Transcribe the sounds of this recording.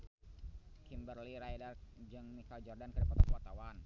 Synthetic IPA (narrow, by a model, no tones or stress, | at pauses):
kimbərliɾajdard͡ʒɨŋnikald͡ʒɔrdankədapat̪̚kuwart̪awan